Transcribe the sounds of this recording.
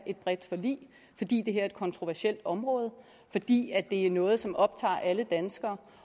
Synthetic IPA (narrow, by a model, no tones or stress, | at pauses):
ʔe̝d̥̚b̥ʁɛd̥fɒ̽lḭː | fɒ̽d̥ḭːd̥e̝ɦæɐ̰e̝d̥kʰɒ̽nt͡sʰʁo̝ʋæɐɕel̰d̥ɒ̽mʁɔ̽ːð̞ˠ | fɒ̽d̥ḭːæd̥e̝æɐnɔ̽ːð̞̩ˠsɒ̽mɒ̽b̥̚t͡sʰɑ̰̈ːʔæləd̥ænsɡ̥ɐː